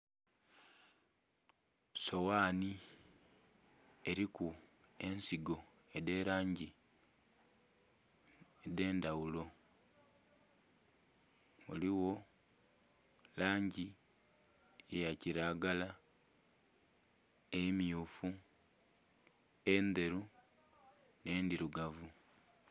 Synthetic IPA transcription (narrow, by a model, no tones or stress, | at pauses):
so̞waːni | e̞ɾikue̞nsiɡo̞ | ede̞ːɾaːɲɟi | ede̞ːndawulo̞ | o̰liwo̞ | laːɲɟi | ejaciɾaːɡala | emijuːfu | ende̞ɾu | ne̞ːndiɾuɡavu